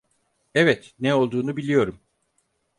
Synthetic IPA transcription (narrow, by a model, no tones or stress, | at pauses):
ɛvɛt̪nɛolˠd̪uːnubilʲijo̞ɾum